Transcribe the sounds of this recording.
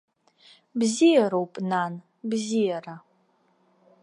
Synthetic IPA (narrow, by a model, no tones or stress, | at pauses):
bzijaɾowpʼnan | bzijara